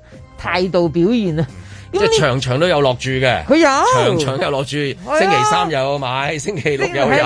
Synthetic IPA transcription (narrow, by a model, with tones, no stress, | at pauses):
t̪ʰaː˧jt̪o˨wpiː˨˥wjiː˨˩nɐ˧ | ɐ˥t͡sɛ˥˩t͡ʃʰœː˨˩ŋt͡ʃʰœː˨˩ŋt̪o˥jɐ˨˧wlɔː˨˩k̚t͡ʃyː˨˧ɡɛː˧kʰɵ˨˧jɐ˨˧t͡ʃʰœː˨˩ŋt͡ʃʰœː˨˩ŋjɐ˨˧wlɔː˨˧k̚t͡ʃyː˧sɪ˥ŋkʰe˨˩jsaː˥mjɐ˨˧wmaː˨˧jsɪ˥ŋkʰe˨˩jlʊ˨k̚jɐ˨˧w